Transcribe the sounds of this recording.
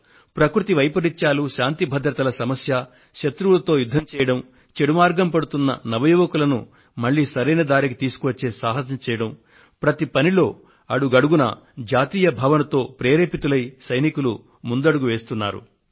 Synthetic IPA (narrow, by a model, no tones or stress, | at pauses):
pɾɐkɾut̪iʋɐjpɐɾit͡ʃaːluʃaːnt̪ibʱɐd̪ɾɐt̪ɐlɐsɐmɐsjɐ | ʃɐt̪ɾuʋlɐt̪o̞ːjud̪ʱːɐmt͡ʃɛːjɐɽɐm | t͡ʃeɽumaːɾɡɐmpɐɽut̪unːɐ̰nɐʋɐjuːʋɐkulɐnu | mɐɭːiːsɐɾɐjnɐd̪aːɾikit̪iːsu̥kuʋɐt͡ʃːe̞ːsaːɦɐs̬ɐmt͡ʃɛːjɐɽɐm | pɾɐt̪ipɐnilo̞ː | ɐɽuɡɐɽuɡunɐ̰ | d͡ʒaːt̪iːjɐbʱɐʋɐnɐt̪o̞ːpɾeːɾeːpit̪ulɐjsɐjnikulu | mund̪ɐɽuɡuʋe̞ːst̪unːa̰ːɾṵ